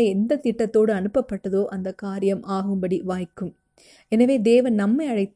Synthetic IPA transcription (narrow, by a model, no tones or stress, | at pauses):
ɐɛnd̪ɐt̪ɪʈːɐt̪ːoːɽɯɐnɯpːɐpːɐʈːɐðoːʔɐnd̪ɐkaːɾɪjɐmʔaːɣɯmbɐɽiʋaːjkːɯm | ɛnɐʋeːd̪eːʋɐnnɐmːɐɪɐɻɐɪt̪ː